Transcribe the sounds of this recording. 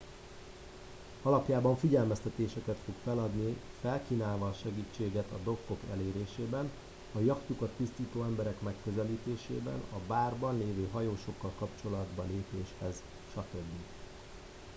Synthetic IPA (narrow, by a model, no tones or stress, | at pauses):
ɒlɒpjaːbɒɱfiɟɛlmɛst̪ɛt̪eːʃɛkɛt̪fo̞kfɛlɒd̪ni | fɛlkiːnaːlvɒːʃɛɡiːt͡ʃːeːɡɛt̪ɒd̪o̞kːo̞kɛ̰leːɾeːʃeːbɛn | ɒjɒkt̪ukɒt̪ːist̪iːt̪oːɛmbɛɾɛkmɛkːøzɛliːt̪eːʃḛːbɛ̰nɒbaːrbɒnleːvøːɦɒjoːʃo̞kːɒlkɒpt͡ʃo̞lɒd̪bɒleːpeːʃhɛz | ʃɒt̪ø̞bːi